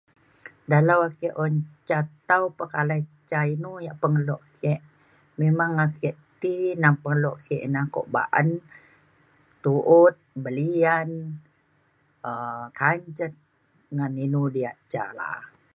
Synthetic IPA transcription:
daləwakiʔɔɲt͡ʃat̪awpəkalait͡ʃainujaʔpəŋəlɔʔkɛʔ | memaŋakiʔt̪inaŋpəŋəlɔʔkɛʔnaŋkɔ̰ʔba̰ʔə̰n | t̪uʔʊt̪̚bəlian | əkaɲt͡ʃət̪̚ | ŋaninudiaʔt͡ʃa̰la̰

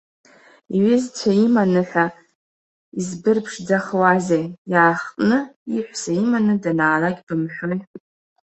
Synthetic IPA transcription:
iɥɪzt͡ɕʷʰaimanɨħʲa | izbɨrpʰʂd͡zaχwazejjaːχtʼnɨiħʷsaimanɨdanaːlaɡʲbɨmħʷᶣoj

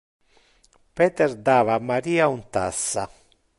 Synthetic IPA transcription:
pɛːt̪ɛɾd̪aːvaːmːaɾiːaunt̪asːa

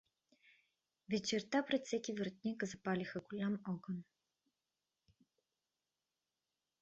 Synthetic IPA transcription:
vʲɛt͡ʃɛɾt̪apɾɛt̪sʲɛkʲivəɾt̪nʲikzɐpalʲixəɡulʲamɔɡən

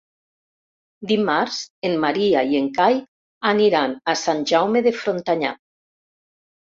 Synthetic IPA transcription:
d̪imaɾz̥enmaɾiaieŋkaj | aniɾanasanʲʒawmeðefɾont̪aɲa̰

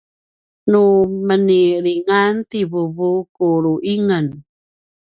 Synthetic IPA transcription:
numəniɾiŋantiβuβukuɾuʔiŋən

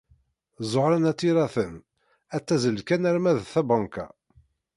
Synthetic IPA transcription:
zˤoɾanæt͡sːiɾæθən | æt͡sːæzəlkænæɾmæðθæbɑŋkæ̰

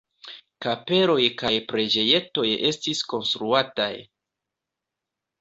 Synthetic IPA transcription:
kape̞ɾo̞jkajpɾe̞d͡ʒe̞je̞to̞je̞stisko̞nstɾuata̰j

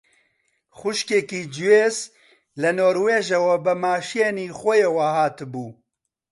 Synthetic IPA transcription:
xʊʃkeːkiːd͡ʒuweːz | lɛnoːɾweːʒewɛbɨmaːʃijeniːxʷɔjewaɦaːt̪ɨbuː

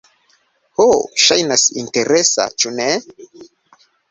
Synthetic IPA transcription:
hoʃajnasinte̞ɾesa̰t͡ʃune

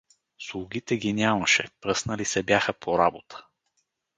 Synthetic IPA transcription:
slˠuɡʲit̪ɛɡʲinʲamɐʃɛpɾɤsnəlisɛbjaxəpʰoɾabot̪ʰə̥

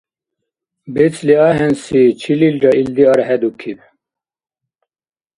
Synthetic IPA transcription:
bet͡sliɑɦɛnsit͡ɕʰililɾɑild̪iɑɾhɛd̪ukʰib̚

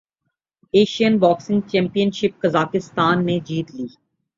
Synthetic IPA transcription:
eːʃijənbaːksɪ̃ŋɡ̚t͡ʃɛ̃ːmpijənʃɪp̚kɐzaːkɪst̪aːnːẽd͡ʒiːt̪liː

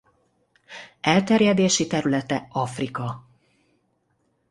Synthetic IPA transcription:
ɛlt̪ɛɾjɛd̪eːʃit̪ɛɾylɛt̪ɛɒfrikɒ

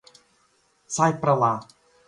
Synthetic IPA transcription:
sajpɾalˠa

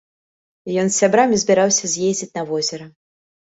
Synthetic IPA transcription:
jɔnsʲːabɾamʲizʲbʲiɾawsʲɐzʲjezʲd͡zʲit͡sʲnɐvɔzʲɛɾɐ

